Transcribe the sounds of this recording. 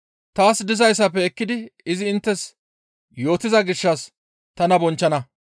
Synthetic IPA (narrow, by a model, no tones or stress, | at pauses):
t̪aːsd̪ɪzɐjs̬ːɐpːɛɛkːɪd̪ɪɪzɪɪnt̪ːɛs | jo̞ːt̪ɪzɐɡɪʃːɐs | t̪ɐnɐbɔnt͡ʃːɐnɐ